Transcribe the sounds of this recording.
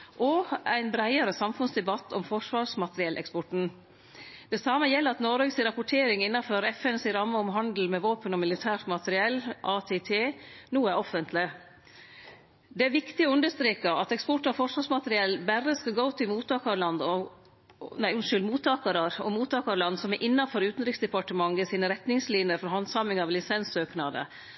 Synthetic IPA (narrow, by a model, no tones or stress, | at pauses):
ʔɔæɪnbɾæɪəɾəsɑmfʉnsd̪ɛbɑt̪ːɔmfɔʂʋɑːsmɑt̪əɾɪɛlʔɛ̰kspɔʈn̩ | d̪̥ɛsɑːməjɛlːəɾɑt̪nɔɾøɡsɪɾɑpʊʈʰeːɾɪŋɪnːɑføːɾɛfɛnsɪɾɑmːəɔmɦɑnd̪l̩mɛʋoːpənɔmɪlɪt̪ʰæːɾt̪mɑt̪əɾɪɛlːʔɑːt̪ʰeːt̪ʰeːnuːæɾɔfənt̪ʰlɪ | d̪ɛæʋɪkt̪ɪɔʉnd̪əʂt̪ɾeːkɑɑt̪ɛkspɔʈːɑfɔʂʋɑsmɑt̪əɾɪɛlːbæɾəskɑɡoʊt̪ʰɪlmuːt̪ɑːkɑlɑnd̪ɔ | næɪʉnʂʏld̪muːt̪ːɑːkəɾəɾɔmuːt̪ɑːkɑɾlɑnd̪sɔmɛʔɪnːɑfɔɾʉːt̪n̩ɾɪksd̪ɛpɑʈəmɑŋːəsiːnəɾɛt̪nɪŋsliːnjəɾfɔɾɦɑnsɑmɪŋɑʋlɪsɛnsøːknɑd̪ə̰